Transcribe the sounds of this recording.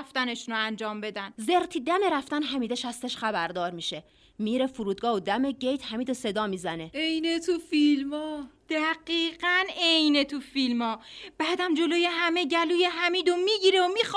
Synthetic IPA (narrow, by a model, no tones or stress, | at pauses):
ft̪æneʃunoænd͡ʒɒːmbe̞d̪ænzeɾt̪ʰiːd̪æme̞ɾæft̪ænɦæmiːd̪eʃæst̪eʃχæbæɾd̪ɒːɾmiːʃe̞ | miːɾefuɾuːd̪̚ɡɒːhod̪æme̞ɟejt̪ʰhæmiːd̪ose̞d̪ɒːmiːzæne̞ejnet̪ʰufilmɒːd̪̥æɢiːɢænejnet̪ʰufilmɒːb̥æːd̪æmd͡ʒo̞lojeɦæmeɟæluːjeɦæmiːd̪omiːɟiːɾeomix